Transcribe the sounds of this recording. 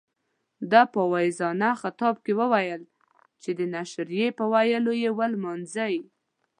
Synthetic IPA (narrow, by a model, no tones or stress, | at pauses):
d̪ɑpəwajzɑnaxat̪ɑb̚kewəwajəl | t͡ʃed̪ənaʃɾijepəwajəlojewəlmɑnzaji